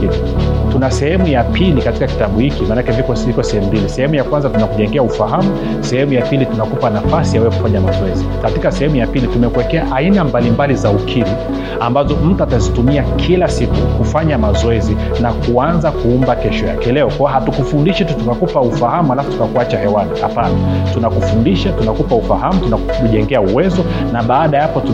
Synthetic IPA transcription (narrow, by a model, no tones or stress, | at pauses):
li | tunasɛhɛmujapilikatikaki̥taɓuhikimanakɛvikɔvikɔsɛhɛmumbilisɛhɛmujakwanzatunakuʄɛŋɡɛaufaɦamu | sɛhɛmujapilitunakupanafasijawɛɛku̥faɲamazɔɛzikatikasɛhɛmujapilitumɛkuwɛkɛaʔainambalimbalizaukʰiɾi | ambazɔm̩tuatazitumiakʰilasikukufaɲamazɔɛzi | nakuanzakuumbakɛʃɔja̰kɛlɛɔkwawaɦatukufundiʃɛtutukakupaufahamuhalafu̥tukakuat͡ʃahɛwaɗiha̰panatunakufundiʃatunakupaufaɦamutuna | ʄɛŋɡɛauwɛzɔ | naɓaːɗajapɔtu